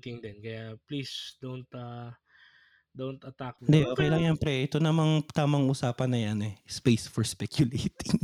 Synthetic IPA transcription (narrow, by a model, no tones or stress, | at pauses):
t̪ɪŋd̪ɛnkɐjaplisd̪ont̪ɐ | d̪ont̪ɐt̪ak̚nd̪ɛʔoːkɛjlaŋjɐnpɾɛʔɛt̪onɐmaŋt̪aːmɐŋʔuːsaːpɐnːɐjɐnɛspejsfɔɹspɛkjʊlejt̪ɪŋ